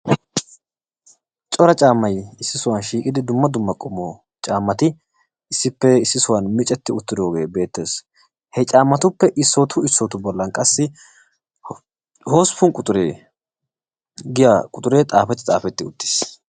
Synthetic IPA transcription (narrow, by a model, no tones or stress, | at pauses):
t͡ʃʼɔɾɐt͡ʃʼaːmːɐjɪsːɪsʊwɐnʃiːkʼɪd̪ɪd̪ʊmːɐd̪ʊmːɐkʼʊmoː | t͡ʃʼaːmːɐt̪ɪ | ɪsːɪpːɛɪsːɪsʊwɐnmɪt͡ʃʼːɛt̪ːɪʊt̪ːɪd̪o̞ːɡe̞ːbe̞ːt̪ːe̞ːs | hɛt͡ʃʼaːmːɐt̪ʊpːɛʔɪsːoːt̪ʰʊɪsːoːt̪ʊbɔlːɐnkʼɐsːɪ | hoːspʊnkʼʊt̪ʼʊɾeː | ɡɪjakʼʊt̪ʼʊɾe̞ːt̪ʼaːfɛt̪ːɪ̥t̪ʼaːfɛt̪ːɪʊt̪ːɪ̥s